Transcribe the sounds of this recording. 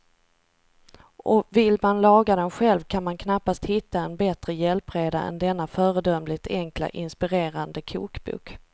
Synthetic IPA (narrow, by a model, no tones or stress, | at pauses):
ʔɔvɪlmanlɑːɡad̪ɛnɧɛlvkʰanmankʰnapːast̪hɪt̪ːaɛnbɛt̪ɾəjɛlpɾeːd̪a̰ʔɛ̰nd̪ɛnːafœːɾəd̪œmlɪt̪ʰɛŋkla̰ʔɪnspɪɾeːɾand̪əkʰṵːkbʊ̰k